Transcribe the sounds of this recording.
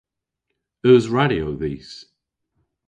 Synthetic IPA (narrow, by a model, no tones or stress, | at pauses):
əːzɹaɾiowðiːs